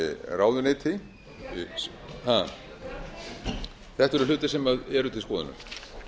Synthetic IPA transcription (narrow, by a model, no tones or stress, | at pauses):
raːwðʏnɪːt̪ʰɪ | ha | θɛht̪ɛɾʏlʏːt̪ɪsɛmaðɛɾʏt̪ʰɪlskɔːðʏ̰nʏ̰m